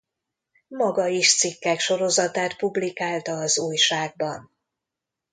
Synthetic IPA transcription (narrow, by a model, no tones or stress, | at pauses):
mɒɡɒiʃt̪sikːɛkʃo̞ɾo̞zɒt̪aːt̪publikaːlt̪ɒːzuːjʃaːɡ̚bɒn